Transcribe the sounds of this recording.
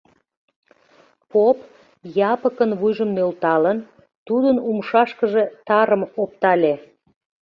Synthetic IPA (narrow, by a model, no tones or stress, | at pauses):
pop | jɑpəkənβujʒəmnølt̪ɑlən | t̪ud̪ənumʃɑʃkəʒet̪ɑɾəmop̚t̪ɑlʲe